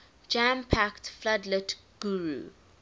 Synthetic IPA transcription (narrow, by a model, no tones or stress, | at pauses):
d͡ʒãmpʰaktfladlət | ɡ̥uɹṵ